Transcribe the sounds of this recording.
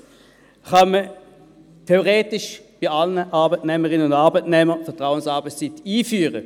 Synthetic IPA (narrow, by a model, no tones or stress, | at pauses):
χɑmə | tʰeoʁeːtɪʃb̥iɑlnəʔɑɐbətnɛːməʁɪnəʊndɑɐbəɪtnɛːməfɛɐtʁaʊənsɑːbəst͡sɪtiːfyːʁə